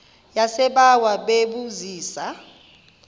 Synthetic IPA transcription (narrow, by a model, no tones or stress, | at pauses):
jasɛɓawaɓeɓuziːsa